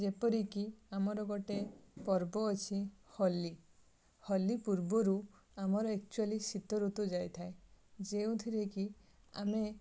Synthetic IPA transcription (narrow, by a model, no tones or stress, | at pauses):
d͡ʒepɔɾikiamɔɾɔɡɔʈepɔɾbɔːt͡ʃʰihɔlːi | hɔlːipuɾbɔɾu | amɔɾɔek̚t͡ʃualisit̪ɔɾut̪ud͡ʒajt̪ʰaed͡ʒeũt̪ʰiɾeki | a̰me